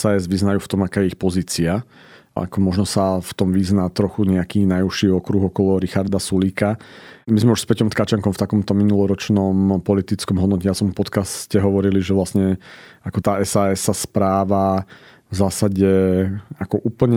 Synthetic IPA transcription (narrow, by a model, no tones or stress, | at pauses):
saɛzʋiznajuːft̪ɔmakaːjɛixpɔziːt͡sia | a̰kɔmɔʒnɔsaft̪ɔmʋiznaːt̪ɾɔxuɲɛakiːnajuʃiːɔkɾuɣɔkɔlɔɾixaɾd̪asuliːkamizmɛuʃspɛcɔmt̪kat͡ʃaŋkɔmft̪akɔmt̪ɔminulɔɾɔt͡ʃnɔmpɔlit̪it͡skɔmɦɔd̪nɔcɛjat͡sɔmpɔt̪kascɛɦɔʋɔɾiliʒɛʋlasɲɛakɔt̪aːɛsaːɛssaspɾaːʋa | vzaːsaɟɛakɔʔuːpl̩ɲɛ